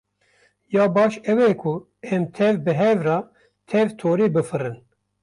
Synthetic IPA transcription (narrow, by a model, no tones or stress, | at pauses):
jɑːbɑːʃɛwɛkʰu | ɛmt̪ʰɛvbɨɦɛvrɑː | t̪ʰɛvt̪ʰoːɾeːbɨfɨrɨn